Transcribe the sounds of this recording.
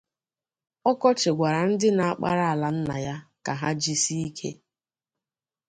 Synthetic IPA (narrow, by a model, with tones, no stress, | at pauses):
ɔ˦kɔ˦t͡ʃɪ˨ɡʷa˨ɾa˨n̩˦dɪ˦na˨a˦k͡pa̰˦ɾa˦a˨la˦n̩˦na˨ja˦ka˨ɦa˦d͡ʒi˦si˦i˦kʰḛ˦